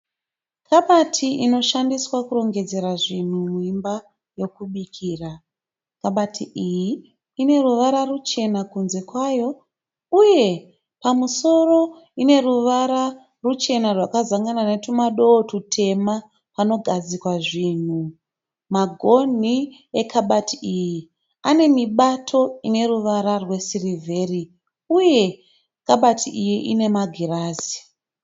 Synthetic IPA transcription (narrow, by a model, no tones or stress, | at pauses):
kʰaɓatʰiʔino̞ʃandiswakuro̞ŋɡe̞d͡ze̞ɾaʐin̤umuimba | jo̞kuɓikʰiːra | kaɓatʰiʔijiː | ne̞ruʋaɾarut͡ʃe̞nakunze̞kwaːjo̞ | uje̞ | pamuso̞ro̞ | ine̞ruʋaɾa | rut͡ʃe̞narwakazaŋɡananetumaɗo̞ːtutʰe̞ma | pano̞ɡʱad͡zikwaʐinu | maɡʱo̞n̤i | ekʰaɓatʰiiji | ane̞miɓatʰo̞ine̞ruʋaɾarwe̞sirivʱe̞ːri | uje̞ | kaɓatʰiijiʔine̞maɡʱiraːzi̥